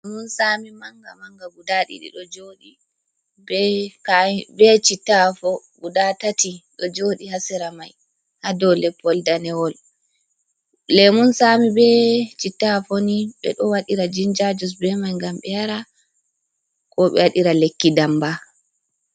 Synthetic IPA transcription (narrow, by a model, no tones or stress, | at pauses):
lɛmunsamimaŋɡamaŋɡaɡudaɗḭɗḭɗɔd͡ʒoɗi | bɛkabɛt͡ʃitːafɔ | ɡudatatiɗɔd͡ʒoɗihasɛɾamaj | hadɔlɛpːɔldanɛwɔl | lɛmunsaːmibɛt͡ʃitːafoniɓɛ̰ɗɔwaɗiɾad͡ʒind͡ʒad͡ʒɔsbɛmajŋɡamɓɛjaɾa | kʰɔɓɛ̰waɗiɾalekːidamba